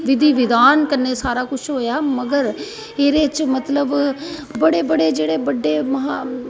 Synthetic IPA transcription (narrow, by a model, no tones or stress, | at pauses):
ʋɪd̪ʱiːʋɪd̪aːnkəɾneːsaːɾaːkʊt͡ʃʰɦoːjaːməɡəɾ | eːɾeːt͡ʃmət̪ləbbəɽeːbəɽeːd͡ʒeːɽeːbəɖːeːməɦaː